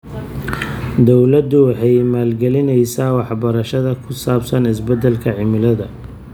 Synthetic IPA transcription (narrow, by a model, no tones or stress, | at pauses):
d̪ɔwlɐd̪ʊwɑħɑjmaːlɡɛlɪnɛjsaːwɑħbɐɾɐʃɐðɐkʰʊsaːbsɐnɪsbɛd̪ːɛlkʰɐʕɪmɪlɐðɐ